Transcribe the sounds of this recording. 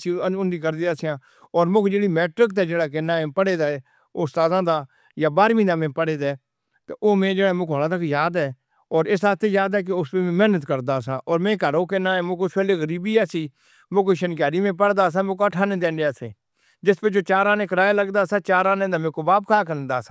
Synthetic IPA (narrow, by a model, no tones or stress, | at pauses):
siʊnd̪iːkəɾd̪iːaːsɪjãː | ɔːɾmõːkd͡ʒeːɽiːmɛːʈɾək̚t̪aːd͡ʒeːɽaːk̬ɪnaːẽːpəɽeːd̪aːɛː | ʊst̪aːzãːd̪aː | jaːbaːɾmĩːd̪aːmẽːpəɽeːd̪ɛː | t̪eʔoːmẽːd͡ʒeːɽamʊkoːlaːt̪əkjaːd̪ɛː | ɔːɾɪsaːt̪ʰeːjaːd̪ɛːk̬ɪʊspemẽːmɛːnət̪kəɾd̪aːsãːʔɔːɾmẽːkəɾoːkɪnãːɛ̃ːmõːkʊspɛːleːɣəɾiːbiːɛːsiː | mõːk̬oːʃənkaːɾiːmẽːp̬əɽd̪aːsãːmõːkaʈʰaːnẽːd̪ẽːnɖaːsḛː | d͡ʒɪspeːd͡ʒoːt͡ʃaːɾaːnẽːkəɾaːjaːləɡd̪aːsãːt͡ʃaːɾaːnẽːd̪aːmẽːkobaːp̚kʰaːkəɾnd̪aːsaː